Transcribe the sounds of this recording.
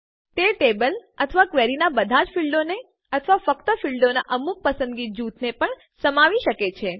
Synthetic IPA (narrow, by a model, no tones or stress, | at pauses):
t̪eʈebələt̪ʰəʋakʋeɾinabəd̪ʱad͡ʒfʰilɖone | ət̪ʰəʋafəkt̪əfilɖona̰ʔəmuk̚pəsə̃nd̪ɡid͡ʒut̪ʰnepəɳ | səmaʋiʃəket͡ʃʰe